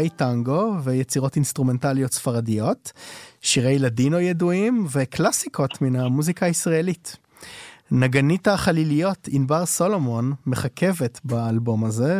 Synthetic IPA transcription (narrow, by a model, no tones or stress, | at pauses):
ejtaŋɡo̞vejet͡siʁo̞tinst̪ʁume̞ntaljo̞tsfaʁadijo̞tʃiʁejladimojeduimveklasiko̞tminamuzikaːisʁaelit | naɡanitaχalilijo̞tinbaʁso̞lo̞mo̞nme̞χakʰe̞ve̞tbaːlbo̞maze̞